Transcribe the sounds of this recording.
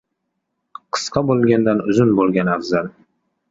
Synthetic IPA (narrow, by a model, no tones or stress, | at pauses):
qʰɨ̥sqɑbolˠɡʲand̪anʊzʊnbolˠɡʲanafzal